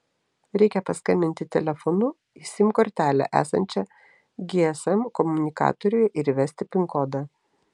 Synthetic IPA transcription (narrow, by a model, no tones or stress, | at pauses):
ɾʲɛɪkʲɛpɐskɐmʲɪnʲt̪ʲɪt̪ʲɛlʲɛfɔnʊ | ɪsʲɪmʲkɔɾʲt̪ʲæːlʲæ̰ʔæ̰ːsɐ̰nʲt͡ʃʲɛ | ɡʲeɛsɛmkɔmʊnʲɪkɑ̰ːt̪ɔɾʲɪjʊʔɪɾʋʲæːsʲt̪ʲɪpʲɪŋkɔd̪ɐ